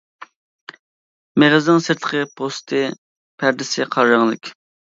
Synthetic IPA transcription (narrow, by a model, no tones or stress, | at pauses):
meʁəznɪŋsɪɾt̪ʰːə̥qʰəpʰost̪ʰɨ | pʰæɾd̪ɪsɪqʰɑɾʒəŋlˠɨkʲ